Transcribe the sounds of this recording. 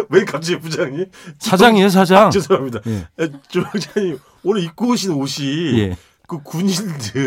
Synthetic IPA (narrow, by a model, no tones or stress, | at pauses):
wenkap̚t͡ɕ͈iepud͡ʑaŋɲi | sʰad͡ʑaŋies̬ʰad͡ʑaŋɯsamɲidajat͡ɕod͡ʑaɲi | onɯɾik͈ooɕʰinɯnoɕʰijḛ | kɯkuɲindɯ